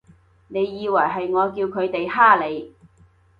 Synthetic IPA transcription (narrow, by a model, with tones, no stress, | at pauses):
ne˨˧jːiː˨˧wɐ˨˩jɦɐ˨jŋɔː˨˧kiː˧wkʰɵ˨˧ɥt̪e˨jhaː˥le˨˧j